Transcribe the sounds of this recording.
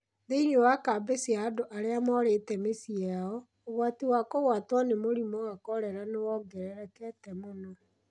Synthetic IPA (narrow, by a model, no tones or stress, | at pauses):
ndeiɲowakabesiaːdoʔaɾeamɔɾetɛmesiaɔː | ɣwatiwakoɣwatwanemoɾimɔakɔɾɛɾanewɔɡɛɾɛɾɛkɛtɛmonɔ